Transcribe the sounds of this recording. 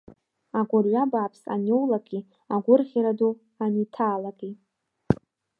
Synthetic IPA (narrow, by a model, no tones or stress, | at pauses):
aɡʷʊlɥabaːpʰsa̰nowlakʼi | aɡʷʊrχʲiɾadu | anitʰaːlakʼi